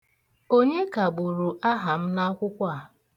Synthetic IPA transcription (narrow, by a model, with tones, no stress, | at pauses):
o˦ɲe˦ka˨ɡ͡bu˨ɾu˨ʔa˦ɦa˨m̩˦na˦kʷʊ˦kʷa˦˨